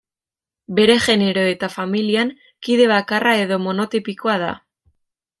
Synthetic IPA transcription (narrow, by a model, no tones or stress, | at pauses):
be̞ɾe̞ʝe̞ne̞ɾo̞e̞t̪afamiliaŋ | kiðe̞β̞akarae̞ðo̞mo̞no̞t̪ipiko̞aða̰